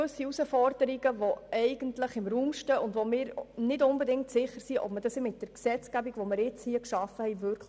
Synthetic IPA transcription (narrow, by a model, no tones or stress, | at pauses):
øsiusəfɔrd̥əɾiɡəvoɛɪɡ̥əntləχɪmruːmʃtəʊndʋomɪːɾnɪdʊnbɛdɪŋktsɪχəɾsiʔɔ̰pmədɑsimɪt̚d̥əɾksɛt͡sɡ̥æbiɡʋomɪɾɪt͡shiəkʃɑfəhɛɪvʏɾkʰ